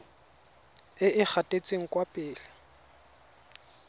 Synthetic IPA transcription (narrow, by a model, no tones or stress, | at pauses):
ɪʔɪk͡xʰatʼet͡sʼeŋ̩kʼwapʼɪːlɪ